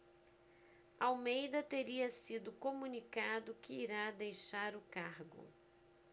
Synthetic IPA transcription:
awmejd̪ɐt̪eɾiɐsid̪ʊkomunikad̪ʊkɪiɾad̪ejʃaɾʊkaɾɡʊ̰

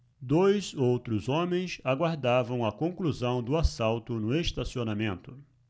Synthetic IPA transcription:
d̪ojzowt̪ɾʊzõmẽj̃saɡwaɾd̪avɐ̃w̃ɐkõkluzɐ̃w̃d̪ʊasawt̪ʊnʊest̪asionamẽnt̪ʊ

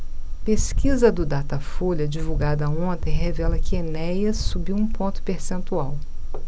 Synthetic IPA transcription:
peskizɐd̪ʊd̪at̪ɐfoʎɐd͡ʒivuɡad̪ɐõnt̪ẽj̃ɦevɛlɐkɪenɛjɐsːubiwũpõnt̪ʊ̥peɾsẽnt̪uaw

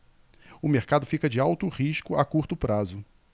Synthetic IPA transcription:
ʊmeɾkad̪ʊfikɐd͡ʒɪawt̪ʊʁiʃkʊakuɾt̪ʊpɾazʊ

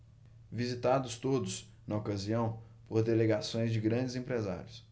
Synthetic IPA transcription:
vizit̪ad̪ʊst̪od̪ʊs | nɐokaziɐ̃w̃ | poɾd̪eleɡasõj̃zd͡ʒɪɡɾɐ̃d͡ʒɪzẽmpɾeza̰ɾjʊs

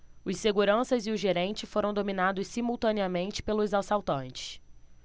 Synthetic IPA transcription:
ʊsseɡuɾɐ̃sɐzɪʊʒeɾẽnt͡ʃɪfoɾɐ̃w̃d̪ominad̪ʊssimuwt̪ɐ̃niɐmẽnt͡ʃɪ̥pelʊzasawt̪ɐ̃nt͡ʃɪ̥s

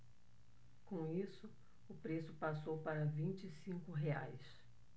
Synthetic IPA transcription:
kõisʊ | ʊpɾesʊpasowpaɾɐvĩnt͡ʃisĩŋkʊɦea̰js

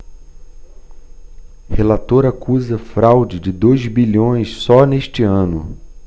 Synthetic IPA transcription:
helat̪oɾakuzɐfɾawd͡ʒɪd͡ʒɪd̪ojzbilõj̃ssɔneʃt͡ʃɪɐ̃nʊ

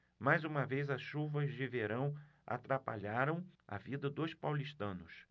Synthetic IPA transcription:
majzũmɐvejzɐsʃuvɐzd͡ʒɪveɾɐ̃w̃a̰t̪ɾapa̰ʎaɾɐ̃w̃ɐ̰vid̪ɐd̪ospawliʃt̪ɐ̃nʊs

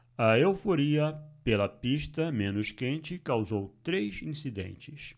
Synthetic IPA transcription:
ɐewfoɾiɐpelɐpiʃt̪ɐmẽnʊʃkẽnt͡ʃɪkawzowt̪ɾejzĩsid̪ḛ̃nt͡ʃɪs

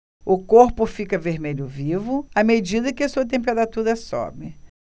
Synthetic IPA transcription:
ʊkoɾpʊfikɐveɾmeʎʊvivʊamed͡ʒid̪ɐkɪɐsuɐt̪̬ẽp̬eɾat̪uɾɐsɔ̰bɪ

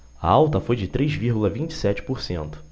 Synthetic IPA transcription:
ɐ̰awt̪ɐfojd͡ʒɪt̪ɾejzviɾɡulɐvĩt͡ʃɪ̥sɛt͡ʃɪ̥poɾsẽnt̪ʊ̥

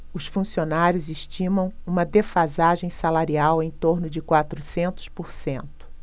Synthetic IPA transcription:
ʊsfũsionaɾjʊzɪʃt͡ʃĩmɐ̃w̃ũmɐd̪efazaʒẽj̃salaɾiawẽj̃t̪oɾnʊd͡ʒɪkwat̪ɾusẽnt̪ʊ̥spoɾsẽnt̪ʊ̥

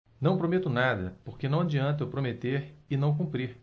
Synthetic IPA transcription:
nɐ̃w̃pɾomet̪ʊnad̪ɐ̰poɾkenɐ̃w̃ad͡ʒiɐ̃nt̪ʊwpɾomet̪eɾɪnɐ̃w̃k̬ũpɾiɾ

